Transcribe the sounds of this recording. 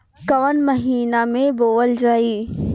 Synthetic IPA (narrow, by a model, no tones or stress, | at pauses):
kɐʋənmɐɦiːnamẽboːəld͡ʒaːiː